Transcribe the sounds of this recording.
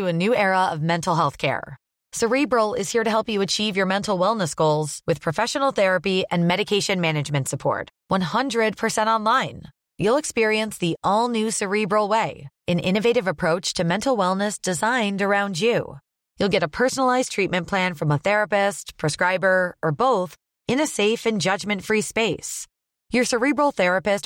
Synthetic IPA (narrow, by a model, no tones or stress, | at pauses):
ɨɨnʉɛɹəʌvmɛ̃ntʰˡl̩ˠɦɛlˠθkʰɛ̰ɹ | sə˞ibɹl̩ˠɪz̥hiɹɾɨɦɛlˠpjɨɨt͡ʃʰivjə˞mɛ̃ntʰˡl̩ˠwɛlˠnəsɡ̥oʊlˠz̥wɨð̥pʰɹ̥ɨfɛʃənl̩ˠθɛɹɨpiɨ̃nmɛɾɨkʰeɪʃɨ̃nmænɨd͡ʒmɨ̃ntsəpʰɔ̰ɹt̚wʌ̃nhʌ̃ndɹɨd̚pʰə˞sɛ̃ñtɑ̃nlãɪ̃n | julˠəkspɪɹiɨ̃nsðiʔɔlˠnʉsə˞ibɹl̩ˠweɪɨ̃nʔɪ̰̃nɨveɪɾɨvəpʰɹ̥oʊt͡ʃtʰɨmɛ̃ntʰˡl̩ˠwɛlˠnɨsd̥ɨzãɪ̃ndə˞ãʊ̃nd͡ʒjʉ̰ | julˠɡɛɾəpʰɜ˞snl̩aɪz̥tʰɹ̥it̚mɨ̃npʰl̥æ̃nfɹʌ̃məθɛɹɨpɪspʰɹ̥ɨskɹaɪbə˞ə˞boʊθ | ɨ̃nɨseɪfɨ̃nd͡ʒʌd͡ʒmɨ̃ntfɹispeɪs | jə˞sə˞ibɹl̩ˠθɛɹɨpɨst